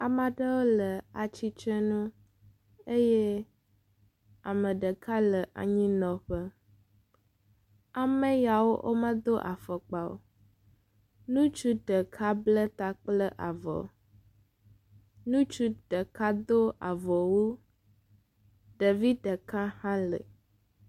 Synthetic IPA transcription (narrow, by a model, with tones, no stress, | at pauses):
a˨mã˨ɖə˦wo˦lə˨a˨t͡ɕi˦t͡ʃɛ˦nũ˦ | e˦je˦ | a˨mə̃˨ɖə˨kʰa˦lə˨ʔa̰˨ɲĩ˦nɔ̃˨ɸə˦ | a˨mə̃˦ja˨wo˦ʔo̰˦mə̃˦d̪o˦ʔa̰˨fə˨k͡pa˨wo̰˦˨ | nũ˦t͡ʃu˦ɖə˨kʰa˦blə˦t̪a˦k͡plə˦ʔa˨vɔ̰˨ | nũ˦t͡ʃu˦ɖə˨ka˦d̪o˦a̰˨vɔ˨wu˦ | ɖə˨vi˦ɖə˨kã˦hã˦lə̰˨